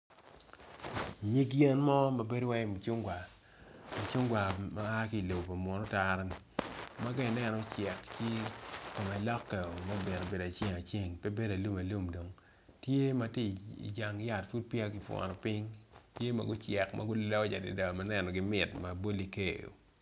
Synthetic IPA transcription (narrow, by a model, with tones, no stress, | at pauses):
ɲi˦ɡjɛ˦nmɔ˦ma˨be˦dwa˦e˦mu˨t͡ʃu˦ŋɡwa˨ | mu˨t͡ʃu˦ŋɡwa˨ma˦a˦ki˦˨lo˨pa˨mwɔ˨nɔ˦ta˦ɾa˦ni˨ | ma˦ɡa˦ɪ˨nɛ˦nɔ˨˦t͡ʃɛ˨kt͡ʃi˦ko˨mɛ˨lɔ˦kːɛ˨o˨ma˦bɪ˨no˨be˨da˨t͡ʃŋa˨t͡ʃe˦˨ŋpe˦be˦da˨lu˦ma˨lu˦mdo˨ŋ | tje˦ma˨˦ti˦˨ḭ˨d͡ʒa˨ŋ˦ja˨tfu˦d̚pja˦kɪ˨fwɔ̰˨nɔ˨pɪ˦ŋtje˦ma̰˨ɡʊ˦t͡ʃɛ˨kmʔa̰˦ɡʊ˦llɔ˦d͡ʒa˨dɪ̰˨da˨ma˦nɛ˦nɔ˨ɡɪ˨mɪ˨tma˨bo˦li˦ke˨jo̰˨